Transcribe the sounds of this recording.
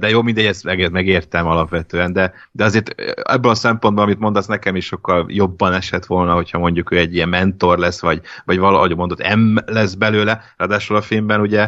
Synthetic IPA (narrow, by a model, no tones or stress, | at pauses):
d̪ɛjoːmind̪ɛɟːɛst̪mɛɡɛt̪mɛɡeːrt̪ɛmɒlɒpʋɛt̪øːɛnd̪ɛ | d̪ɛɒzeːrt̪ɛ̰bːɛlɒsɛmpo̞nbolɒmit̪mo̞nd̪ɒsnɛkɛmiʃʃo̞kːɒljo̞bːɒnɛʃɛt̪ʋo̞lnɒɦo̞chɒmo̞ɲɟukøːɛɟːijɛmmːɛnt̪o̞rlɛsːʋɒɟvɒɟʋɒl̰ɦoɟomod̪ot̪ːɛmlɛsbɛløːlɛrɒd̪aːʃulɒfilmbɛnuɟɛ